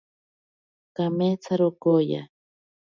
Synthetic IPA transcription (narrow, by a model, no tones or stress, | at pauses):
kamet͡sʰaɾʊkoja̰